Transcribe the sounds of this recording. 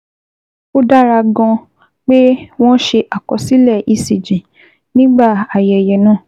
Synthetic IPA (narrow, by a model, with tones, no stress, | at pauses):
o˦da˦ɾa˧ɡɔ̃˧ | k͡pe˦w̃ɔ̃˦ʃe˧ʔa˨kɔ˧si˦lɛ˦˨ʔi˧˨si˨d͡ʒĩ˨ | nĩ˦ɡ͡ba˦˨a˨jɛ˨jɛ˨nãː˦˨